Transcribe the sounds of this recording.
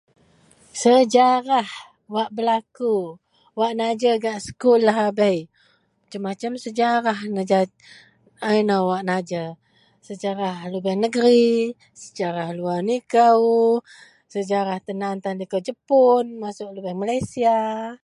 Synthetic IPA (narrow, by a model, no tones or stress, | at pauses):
səd͡ʒaɾah | waʔbəlaku | waʔnad͡ʒəɡaʔsə̥kulaɦabəj | t͡ʃəmat͡ʃamsəd͡ʒaɾahnəd͡ʒa | ajnawaʔnad͡ʒə | səd͡ʒaɾahlubɛrnəɡəɾi | səd͡ʒaɾahluarnikəw | səd͡ʒaɾaht̪ənant̪anlikəwd͡ʒəpʊnmasʊʔlubɛhmalajsia